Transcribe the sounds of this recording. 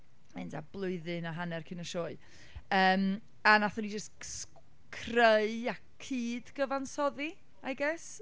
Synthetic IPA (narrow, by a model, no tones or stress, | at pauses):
ɛndablˠʊɨðɨnaɦanɛrkʰɪnəʃɔːɨ | əːm | anaθɔnid͡ʒəsts | kʰreɨa | kʰiːdɡ̥əvansɔði | ajɡɛs